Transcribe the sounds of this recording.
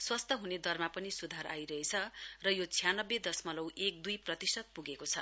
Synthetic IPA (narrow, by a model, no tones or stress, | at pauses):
swʌst̪ʰʌɦuned̪ʌrmapʌnisud̪ʱaɾa̰jɾʌɦet͡sʰʌrʌjot͡sʰijanʌbːed̪ʌsmʌlʌwek̚d̪ujprʌt̪isʌt̪̚puɡekot͡sʰʌ